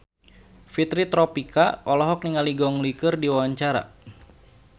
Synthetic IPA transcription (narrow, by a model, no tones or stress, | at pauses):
fit̪ɾit̪ɾɔpikaɔlɔɦɔk̚niŋaliɡɔŋlikɨrdiwawaɲt͡ʃaɾa̰